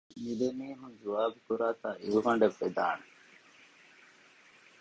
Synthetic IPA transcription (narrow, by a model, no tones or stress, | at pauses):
mid̪emiːɦũnd͡ʒuʋaːbukuɾaːt̪aːʔiʋuɦɐɳɖeʋːed̪aːne